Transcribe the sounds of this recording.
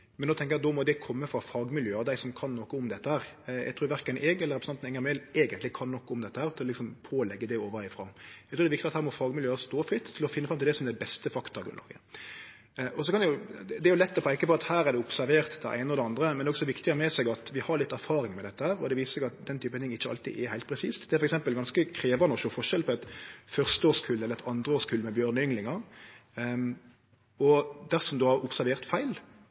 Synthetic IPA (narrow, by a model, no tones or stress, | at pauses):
mɛnoːt̪ʰɛŋkəɾjɑt̪ɔːmɔd̪ɛkʰɔmːəfɾɑfɑːɡmɪljøːəɾd̪æɪsɔmkʰɑnːɔkːəʊmd̪ɛt̪ːəhæːɾjɛ̰ɡt̪ʰɾuːɾʋæɾkənʔeːɡɛləɾɛpɾsnɑnɛŋːəmɛɪleːɡənt̪lɪkʰɑnːɔkːəʊmd̪ɛt̪ːəhæːɾt̪ʰɪlɔlɪksɔmpʰoːlɛɡːəd̪ɛoːʋəæɪfɾɑ̰ːjæɪk̪ɾuːd̪ɛɪkt̪ɪɑt̪hæːɾmɔfɑːɡmɪljøːəst̪oːfɾɪt̪ʰːɪlɔfɪnːəfɾɑmɪld̪ɛsɔmd̪ɛbɛst̪əfɑkt̪ɑɾɡɾʉ̰nlɑ̰ːɡə̰ | ʔɔsɔkʰɑnɛjʊd̪ɛæɾjʊlɛt̪ːɔpʰæɪɪkːəbɔɑɾɑt̪hæːɾæd̪ɛʊpsæɾʋeːʁt̪d̪ɛ̰ʔæ̰ɪnəɔd̪ɛɑnd̪ɾəmɛnd̪ɛːɔɡsɔʋɪkt̪ɪmɛsɛɡɑt̪ʋɪhɑɾɭɪt̪ːæɾfɑːɾɪŋmɛd̪ɛt̪ːəhæːɾɔ̰d̪ɛʋiːsəsɛɡɑt̪̚d̪ɛnt̪ʰyːpət̪ʰɪŋːɪt͡ʃːəɑ̰lt̪ḭɛhæɪt̪pʰɾɛsḭːst̪d̪ɛæɾfɔɾɛksɛmpəlɡɑnskəkʰɾeːʋɑnɔʃoːfɔʂɛlpʰɔɛt̪fœʁst̪əoːskʰʉlɛləɾɛt̪ʰɑnd̪ʁəoːskʰʉlmɛbjøːɾnəʏŋlɪŋɑ | ɔd̪æʁsɔmd̪ohɑɾʊpsæɾʋeːʁt̪fæɪl